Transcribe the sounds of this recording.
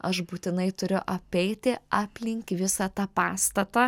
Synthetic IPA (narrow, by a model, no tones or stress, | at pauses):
ɐʃbuːt̪ʲɪnɐɪt̪ʊɾʲʊʔɐpʲɛɪt̪ʲɪɑːpʲlʲɪŋʲkʲʋʲɪsɐt̪ɑːpɑːst̪ɐt̪ɐ